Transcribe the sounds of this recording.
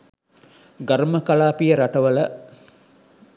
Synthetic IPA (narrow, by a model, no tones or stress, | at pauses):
ɡɐɾməkɐlaːpijəɾɐʈɐʋəlɐ